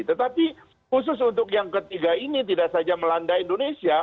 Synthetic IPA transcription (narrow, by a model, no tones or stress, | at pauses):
t̪ət̪api | hus̬ʊs̬unt̪ʊkjaŋkət̪iɡainit̪idaksad͡ʒaməlandaindonesia